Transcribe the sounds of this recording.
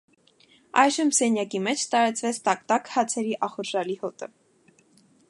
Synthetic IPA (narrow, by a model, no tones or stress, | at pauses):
ɑjʒəmsɛnjɑkimɛt͡ʃʰt̪ɑɾɑt͡svɛt͡sʰt̪ɑk̚t̪ɑkhɑt͡sʰɛɾiʔɑχɔɾʒɑlihɔt̪ə